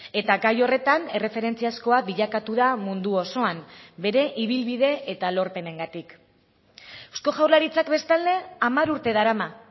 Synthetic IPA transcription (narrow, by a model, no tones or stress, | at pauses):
e̞t̪aɡajo̞re̞t̪ane̞re̞fe̞ɾe̞nt͡siasko̞abiʎakat̪uðamund̪uo̞so̞ambe̞ɾe̞ʔiβ̞ilβiðe̞et̪alo̞ɾpe̞ne̞ŋɡat̪ik | esko̞ʝawɾlaɾit͡sakbe̞st̪ald̪e̞amaɾuɾt̪e̞ðaɾama